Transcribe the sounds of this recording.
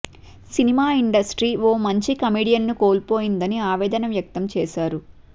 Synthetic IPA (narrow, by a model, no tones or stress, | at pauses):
sinimaːiɳɖɐsʈɾiːʋoːmɐɲt͡ʃikɐmiːɖijɐnːuko̞ːlpoːjind̪ɐniaːʋɛːd̪ɐnɐmjɐk̚t̪ɐmt͡ʃɛːʃaːɾu